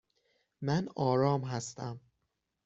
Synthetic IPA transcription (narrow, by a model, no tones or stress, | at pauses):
mænɒːɾɒːmɦæst̪ʰæm